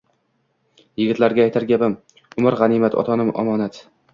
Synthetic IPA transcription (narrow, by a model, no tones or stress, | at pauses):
jɪɡʲɪt̪laɾɡʲaːjt̪ʰaɾɡʲabɪm | ʊmaɾʁɑnimat̪ʰɒ̰t̪ʰɒnɪmɒ̰mɒnat̪